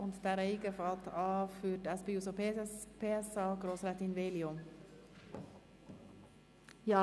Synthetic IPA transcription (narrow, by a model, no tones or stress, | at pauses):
ʊnt̪d̪æːɾɛɪkəfɑt̪ʰɑːfyːʈæspɛuːsopʰːpʰeːsɑkɾoːsɾæt̪ɪnʋeːlɪɔm | jɑː